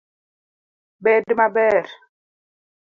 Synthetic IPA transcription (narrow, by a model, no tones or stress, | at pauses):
bɛːdimabɛɾ